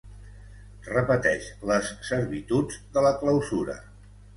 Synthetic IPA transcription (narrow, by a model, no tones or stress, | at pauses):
rəpət̪ɛʃləsːəɾβit̪ud͡zd̪ələkləwzuɾə̰